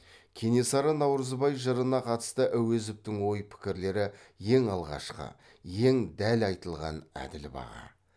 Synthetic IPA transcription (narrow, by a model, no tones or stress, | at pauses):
kʲʰe̞ne̞sɑɾənɑwɾəzbɑjʒəɾənɑqʰɑt̪ə̥st̪əʔæwe̞zɪp̚t̪ɪŋwo̞jpʰɪ̥kʲɪɾle̞ɾɪje̞ŋɑlˠʁɑ̰ʃqə̰ | je̞ŋd̪ælɑjt̪əlˠʁɑ̰næ̰d̪ɪlbɑ̰ʁɑ̰